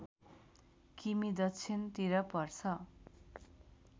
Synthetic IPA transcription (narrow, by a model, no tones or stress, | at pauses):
kimid̪ʌt͡sʰint̪iɾʌpʌrt͡sʰʌ